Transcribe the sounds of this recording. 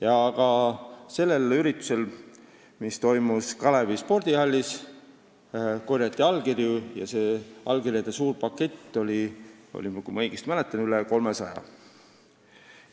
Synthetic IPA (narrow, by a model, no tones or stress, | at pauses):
jɑːɡɑse̞lːe̞lyɾit̪ːˑu̥se̞l | mist̪o̞jmuskɑlevispo̞rd̪̥ihɑlʲːis | korjɑt̪ːˑiɑlɡirjujɑ̰se̞ːɑlɡirʲjɑd̪̥esuːrpɑkːˑe̞t̪ːo̞lʲio̰lʲimkumɤjɡ̥ist̪mælet̪ːˑɑnyleko̞lmesɑjɑ̰